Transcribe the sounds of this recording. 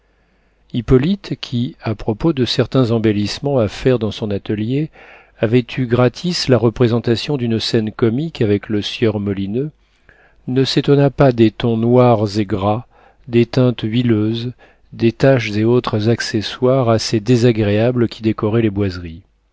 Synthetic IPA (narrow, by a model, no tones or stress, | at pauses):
ipɔlit̪kʲʰiapχɔpod̪əsɛʁt̪ɛ̃zɑ̃belismɑ̃afɛʁd̪ɑ̃sɔ̃nat̪əlje | avɛt̪ʰyɡʁat̪ʰislaʁəpχezɑ̃t̪asjɔ̃d̪ynsɛnkɔmikavɛkləsjœʁmɔlinø | nəset̪ɔnapad̪et̪ɔ̃nwaʁzeɡʁa | d̪et̪ɛ̃t̪ɥiløːz | d̪et̪aʃzeot̪χəzakseswaʁased̪ezaɡʁeablkʲʰid̪ekɔʁɛlebwazʁi